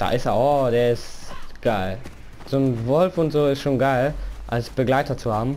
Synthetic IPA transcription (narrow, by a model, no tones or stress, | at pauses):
d̥a̰ːʔɪsteɔd̥eːɐɪsɡ̥aɪl | z̥oːnvɔlfʊntz̥oːɪstʃoːnɡaɪlʔalsb̥əɡlaɪtɐt͡suhaːbm̩